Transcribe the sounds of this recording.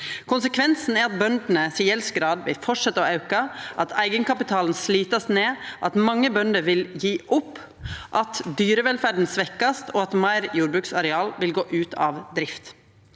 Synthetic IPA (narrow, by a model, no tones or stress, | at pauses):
kʰʊnsəkʰʋɛnsn̩æɾɑt̪̚bœnd̪n̩əsiːjɛlsɡɾɑːd̪ʋɪ̰lfɔʂʂɛt̪ːəɔɑʉkɑʔɑt̪ʰæɪɡənkɑpɪt̪ʰɑːln̩sliːt̪ɑsneːʔɑt̪mɑŋːəbœnd̪əɾʋɪljiːʔʊpː | ʔɑt̪d̪yːɾəʋɛlfæɖn̩sʋɛkːɑst̪ʰoːɑt̪mɑɪɾjuːɾbɾʉːksɑɾɛɑːlʋɪlɡoːʔʉːt̪ʰɑːʋd̪ɾɪft̪